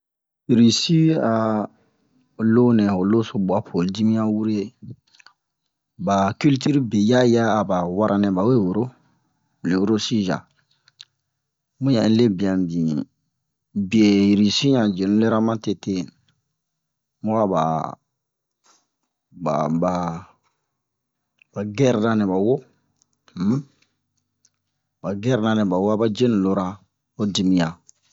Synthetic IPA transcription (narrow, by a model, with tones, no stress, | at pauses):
ɾi˨si˦a˨ | lo˦nɛ̃˨ho˨lo˦so˦bu˨a˦pʰo˨ldi˦mĩ˦ã˦wu˦ɾe˦ | ba˨ki˦lti˦ɾi˦be˨ja˦jaː˦˨ba˨wa˦ɾʔa˦nɛ̃˨ba˨we˦˨wo˨ɾo˦˨ | le˨wo˦ɾo˦si˦ʒa̰˨ | mũ˦jã˨˦le˦bi˨ã˨mbĩ˨ | bi˨e˨ɾi˨si˦ɲã˨d͡ʒe˨ñ˦le˦ɾa˦mã˦te˨te˦ | mu˦wa˦ba̰˨ | ba̰˨ba˨ | ba˨ɡɛ˦ɾna˦nɛ˨ba˨wo˦ | m˦ | ba˨ɡɛ˦ɾna˨nɛ˨ba˨wo˦a˦ba˦d͡ʒe˦n˨lo˦ɾa˦ | o˦di˨mi˨ja˨